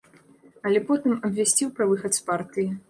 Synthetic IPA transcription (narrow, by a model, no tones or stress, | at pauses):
ɐlʲɛpɔt̪ɨmɐbʲvʲasʲt͡sʲiwpɾɐvɨxɐt̪spart̪ɨji